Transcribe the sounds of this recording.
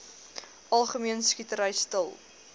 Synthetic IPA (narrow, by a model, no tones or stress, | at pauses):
ʔɐlˠχəmiənskitəɾəjstəlˠ